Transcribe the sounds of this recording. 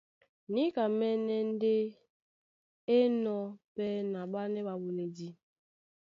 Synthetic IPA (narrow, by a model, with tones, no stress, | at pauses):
ni˦ka˨mɛ˦nɛ˦n˦de˦ | e˦nɔ˦pɛ˦na˨ɓa˦nɛ˦ɓa˨wu˨ne˨di˦